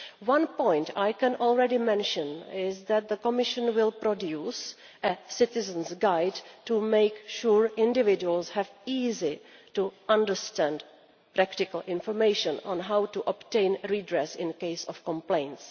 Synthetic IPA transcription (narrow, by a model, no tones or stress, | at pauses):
wãnpɔ̃ɪ̃ntʰajkɛ̃nʔɔlˠɹɛdimɛ̃nʃə̃nɪzðæt̪̚ðəkɔmɪʃə̃nwɪlpɾɔdjuːs | ʔəsɪtɪzə̃nsɡaɪdtumeɪkʃuɹɪ̃ndɪvɪd͡ʒuəlshɛviːzituʔãndəɹstæ̃nd | pɾæktɪkəl̩ʔɪ̃nfɔɹmeɪʃə̃nɔ̰̃nɦawtuʔɔptẽɪ̃nɹidɹɛsɪ̃nkeɪsɔfkɔ̃mplẽɪ̃nts